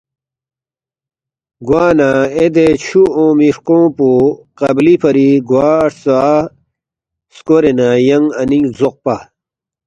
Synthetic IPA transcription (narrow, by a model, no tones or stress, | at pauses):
ɡwaːnaed̪et͡ɕʰuõːmiɾkõːpuqɐblipʰɐɾiɡwaːɾsa | skoɾenajɐŋɐniŋzoq̚pa